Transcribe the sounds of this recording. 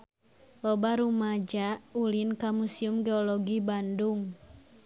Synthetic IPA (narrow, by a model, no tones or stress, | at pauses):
lɔbaɾumad͡ʒaulinkamusiumɡɛɔlɔɡibanduŋ